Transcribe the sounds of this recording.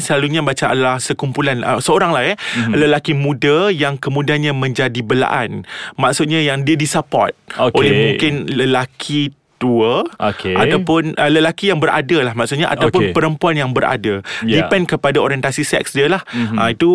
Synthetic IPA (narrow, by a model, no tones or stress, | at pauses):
səlaluɲãbat͡ʃaa̰dalahsəkumpulanə̰səoɾaŋlaɛləlakimũdajaŋkəmũdianɲãmə̃ɲd͡ʒadibəla̰ʔanmãksʊt̪̚ɲãjaŋdiədisapɔ̰rt̪̚oolɛhmũŋkɪnləlakʰi | t̪uəokeʔa̰t̪awpʊnʔələlakijaŋbəɾʔa̰dalahmaksʊt̪̚ɲaʔa̰t̪awp̬npəɾəmpuanjaŋbəɾa̰dajippɛnkəpadaoɾiɛnt̪asisɛ̰k̚sdiəlahait̪u